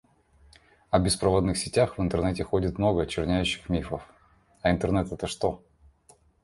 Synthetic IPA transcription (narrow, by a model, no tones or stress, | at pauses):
ɐbʲɪspɾɐvo̞d̪nɨxsʲɪtʲaxvɨnt̪ɨrnɛtʲɪxo̞dʲɪt̪mno̞ɡəɐt͡ɕɪrnʲæjʉɕːɪ̥xmʲifəf | ɐɪnt̪ɨrnɛt̪ɛt̪əʂt̪o̞